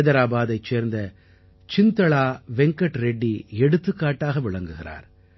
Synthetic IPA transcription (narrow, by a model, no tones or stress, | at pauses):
ðɐɾaːbaːðɐɪt͡ʃːeːɾnd̪ɐ | t͡ʃɪnt̪ɐɭaːʋɛŋkɐʈɾɛɖːiɛɽɯt̪ːɯkːaːʈːaːɣɐʋɪɭɐŋɡɯɣɪɾa̰ːɾ